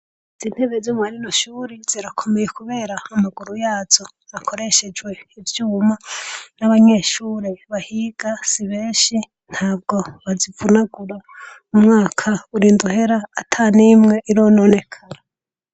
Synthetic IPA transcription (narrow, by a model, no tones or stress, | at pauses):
z̥iːn̥heβezoːmwaɾinoʃuːɾiz̥iɾakʰo̞mejekuβe̞ːɾaːmaɡuɾujaːz̥o̞ | akʰo̞ɾe̞ʃe̞d͡ʒwe̞ivjuːmanaβaɲe̞ːʃuːɾeβahiɡ̥asiβeːʃi | n̥haːb̚ɡo̞βazivunaɡuɾa | umŋaːkʰauɾiːnduhe̞ɾaːtʰanimŋe̞ʔiɾoːno̞ːne̞kʰaɾa